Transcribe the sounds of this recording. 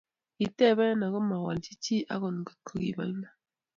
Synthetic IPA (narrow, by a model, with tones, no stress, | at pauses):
i˨tɛ˦˨βɛ˦na˨ɣo˦ma˨wa˨lt͡ʃi˦t͡ʃi˦ʔa̰˦ɣo˨nɡo̥˨t̪̚kʰo˨ɡḭ˨ba̰˨˦na˦